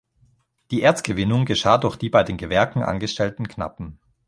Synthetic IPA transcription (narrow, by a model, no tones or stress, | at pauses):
d̥iːʔeːɐt͡sɡ̥əvɪnʊŋɡəʃaːdʊɐxd̥iːbaɪdeːnɡəvɛɐkŋ̩ʔa̰nɡəʃtʰɛltn̩kna̰pm̩